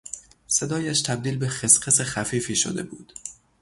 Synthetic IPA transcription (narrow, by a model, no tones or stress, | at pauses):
se̞d̪ɒːjæʃt̪ʰæb̚d̪iːlbe̞xesqesexæfiːfiːʃo̰d̪e̞̰buːd̪̥